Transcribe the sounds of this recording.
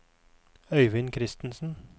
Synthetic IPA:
œʏʋɪnkʰɾɪst̪n̩sn̩

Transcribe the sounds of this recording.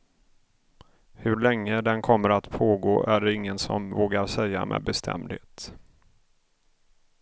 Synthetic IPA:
hɵɭɛŋːəd̪ɛnkʰɔmːəɾat̪pʰoːɡo̰ːʔæɖɛɪŋːənsɔ̰mvoːɡaɾsɛjːa̰mʔɛ̰ːbɛst̪ʰɛ̰md̪heːt̪

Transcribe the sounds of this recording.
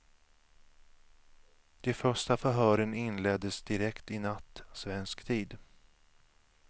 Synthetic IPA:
d̪̥ɛfœʂʈafœɦœːɾənɪnlɛd̪əsd̪ɪɾɛkt̪ɪnat̪ːsvɛnskt̪ʰiːd̪

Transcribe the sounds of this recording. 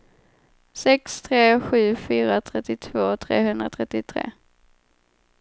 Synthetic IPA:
sɛkst̪ʰɾeːɧʉ̟ːfyːɾat̪ʰɾɛt̪ːɪt̪ʰv̥oːt̪ʰɾḛːhɵnd̪ɾat̪ʰɾɛt̪ːɪt̪ʰɾḛː

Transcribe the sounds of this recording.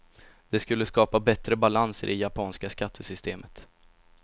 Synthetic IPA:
d̪̥ɛskɵlːəskɑːpabɛt̪ɾəbalansə̰ɾɪjapʰɑːnskaskat̪ʰːəsʏst̪ʰeːmət̪

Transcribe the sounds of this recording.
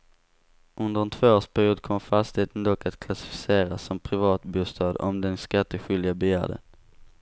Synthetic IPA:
ʔɵnd̪əɾɛnt̪ʰvoːoːʂpʰæɾjuːd̪̚kʰɔmfast̪ɪheːt̪ənd̪ɔkːat̪kʰlasɪ̥fɪ̥seːɾasːɔmpʰɾɪvɑːt̪buːst̪ɑːd̪ɔ̰md̪ɛnskat̪ːəɧʏld̪ɪabɛjæ̰ːɖə̰n

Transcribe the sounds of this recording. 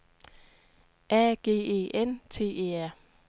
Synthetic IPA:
ʔæɡ̥e̝̰ːe̝̰ːʔent͡sʰe̝̰ːe̝̰ːæɐ̰

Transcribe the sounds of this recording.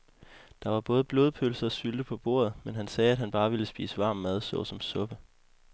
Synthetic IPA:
d̥ɑ̈ʋɑ̈b̥ɔ̽ːð̞̩ˠb̥lo̝ːðˠpʰølsɐɒ̽syld̥əpʰɒ̽b̥o̝̰ːɐ̰ðˠmenɦænsɛːæd̥ɦænb̥ɑ̈ːʋiləsb̥ḭːsəʋɑ̈ːmːæð̞ˠsɔ̽ʊsɒ̽msɔ̽b̥ə

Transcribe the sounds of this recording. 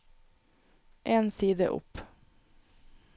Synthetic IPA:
ʔeːnsiːd̪ə̰ʔʊ̰p

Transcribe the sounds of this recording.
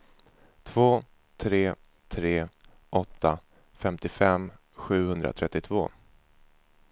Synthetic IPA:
t̪ʰv̥oː | t̪ʰɾeː | t̪ʰɾeː | ʔɔt̪ːa | fɛmt̪ɪfɛm | ɧʉ̟ːhɵnd̪ɾa̰t̪ʰɾɛt̪ːɪt̪ʰvoː

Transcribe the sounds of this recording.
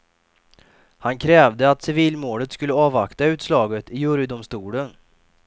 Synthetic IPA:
hankʰɾɛːvd̪əat̪sɪviːlmoːlət̪skɵlːəɑːvakt̪aʉ̟ːt̪slɑːɡət̪ɪjɵɾəd̪ʊmst̪uːlən

